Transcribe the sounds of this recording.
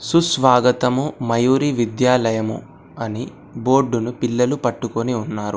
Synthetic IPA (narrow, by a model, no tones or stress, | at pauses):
susʋaːɡɐt̪ɐmumɐjuːɾiʋid̪jaːlɐjɐmṵ | ɐni | bo̞ːɖːunupilːɐlupɐʈːukoniunːaːɾu